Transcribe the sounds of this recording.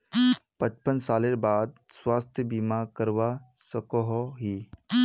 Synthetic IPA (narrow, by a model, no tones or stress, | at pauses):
pət͡ʃpənsaːleɾbaːd̪̚swaːst̪ʰjəbimakəɾʋasəkɔɦɔɦi